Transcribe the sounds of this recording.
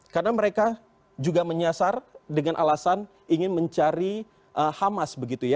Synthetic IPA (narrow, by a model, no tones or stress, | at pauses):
karnaməɾeka | d͡ʒuɡaməɲasardəŋanʔa̰lasan | iŋɪnməɲt͡ʃaɾi | ʔəhamasbəɡit̪uja